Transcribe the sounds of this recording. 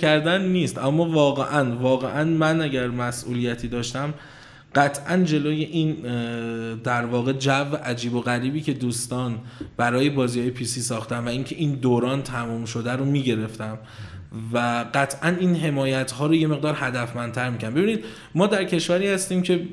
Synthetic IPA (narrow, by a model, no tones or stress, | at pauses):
æɾd̪ænːiːst̪ʔæmːɒːvɒːɣe̞ʔænvɒːɣe̞ʔænmænæɟæɾmæsʔṵːlijæt̪ʰiːd̪ɒːʃt̪æm | ɢæt̪ʰʔænd͡ʒe̞loːje̞ʔiːn | d̪æɾvɒːɣe̞d͡ʒæveʔæd͡ʒiːboɣæɾiːbiːcʰe̞d̪uːst̪ɒːnb̥æɾɒːje̞bɒːzihɒːje̞pʰisiːsɒːxt̪ænvæiːŋcʰe̞ʔiːnd̪oːɾɒːnt̪ʰæmumʃo̞d̪æɾomiːɟe̞ɾe̞ft̪æm | væɢæt̪ʰʔæniːnɦe̞mɒːjæt̪ʰhɒːɾoje̞me̞ɣd̪ɒːɾhæd̪æfmænd̪t̪ʰæɾmiːcʰæɾnbe̞biniːd̪ | mɒːd̪æɾcʰe̞ʃvæɾiːhæst̪iːmcʰe̞